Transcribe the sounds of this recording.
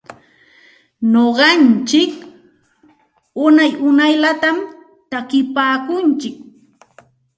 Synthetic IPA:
noɢɑnt͡ʃɪk | ʊnajʊnajlat̪am | t̪akɪpaːkʊnt͡ʃɪk̚

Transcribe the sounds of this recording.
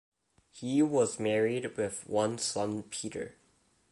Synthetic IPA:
hiwʌzmɛɹid̚wɪðwʌ̃nsʌ̃npʰiɾə̰˞

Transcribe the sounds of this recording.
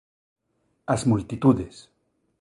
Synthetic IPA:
asmult̪it̪uðes

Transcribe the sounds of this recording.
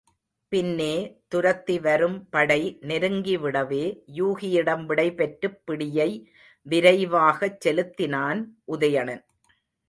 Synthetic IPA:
pɪnːeːt̪ʊɾɐt̪ːiʋɐɾɯmpɐɽɐɪnɛɾɯŋɡiʋɪɽɐʋeːjuːɣɪjɪɽɐmʋɪɽɐɪpɛʈɾɯpːɪɽɪjɐɪ | ʋɪɾɐɪʋaːɣɐt͡ʃːɛlɯt̪ːɪnaːnʔʊðɐjɐɳɐn

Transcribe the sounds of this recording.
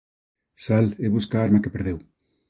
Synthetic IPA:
saleβuskaːaɾmakepeɾðew

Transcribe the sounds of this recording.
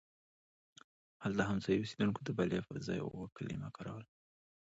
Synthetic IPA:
halt̪aɦamzɑjosed̪unkod̪əbalefəɾzɑ̰j̰wəkəlḭmakɑɾɑ̰wəl

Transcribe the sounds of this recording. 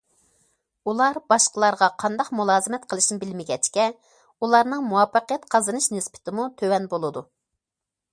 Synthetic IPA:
ulˠɑɾbɑʃqəlˠɑɾʁɑqʰɑnd̪ɑqmulˠɑːzɨmɛt̪qʰəlˠɨʃnɪbɪlmɪɡʲɛt͡ʃkʲɛ | ulˠɑɾnɨŋmuwɑfːəqəjɛt̪qʰɑzɨnɨʃnɨspɪ̥t̪ʰɪmut̪ʰøwɛnbolˠɨd̪u

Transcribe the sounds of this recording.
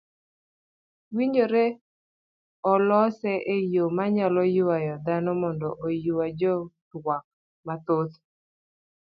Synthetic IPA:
wiɲoɾe | ɔlɔsɛʔejomaɲalɔjuwajɔd̪anɔmɔndɔʔojuwad͡ʒɔt̪wak̚ | mat̪ot̪

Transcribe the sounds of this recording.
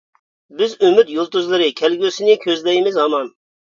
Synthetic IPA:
bɪzømyt̪jolˠt̪uzlˠɨɾɨkʲʰɛlɡʲøsɪnɪkʲʰøzlɛjmɪzhɑmɑn

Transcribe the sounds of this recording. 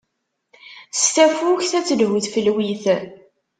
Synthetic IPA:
st̪æfuçθæt͡sːəlɦuθfəlwiθ

